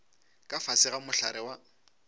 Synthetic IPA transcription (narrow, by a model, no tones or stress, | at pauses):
kʼafasɪɣamʊɬaɾɪwa